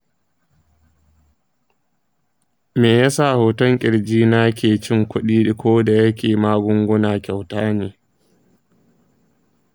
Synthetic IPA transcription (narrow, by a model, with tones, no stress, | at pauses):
meː˨jaː˦sa˦˨hoː˨tɐ˦ŋkʲʼɪ˨ɽd͡ʒiː˦na˦kʲeː˨t͡ʃɪ˦ŋkʷʊ˦ɗiː˦i˨kʷʰoː˦da˨jɐ˦kʲʰeː˨maː˦ɡʷʊ˦ŋɡʷʊ˦naː˨kʲa˨wtaː˦neː˨